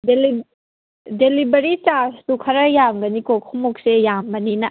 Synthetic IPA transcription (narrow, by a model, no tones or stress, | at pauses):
delib | delibɐɾit͡ʃastukʰɐɾɐjamɡɐnikokʰumok̚sejambɐninɐ